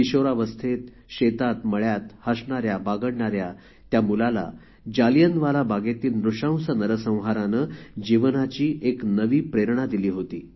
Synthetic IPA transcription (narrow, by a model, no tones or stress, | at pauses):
iɕoɾaʋəst̪ʰet̪ | ɕet̪at̪məɭjat̪həsɳaɾjabaɡəɽɳaɾja | t̪jamulala̰ | d͡ʑalijənʋalabaɡet̪iːlnɾuʂãw̃sənəɾəsə̃w̃ɦaɾanəd͡ʑiʋnat͡ɕiːʔeknəʋiːpɾeɾɳ̃ad̪iliːɦot̪iː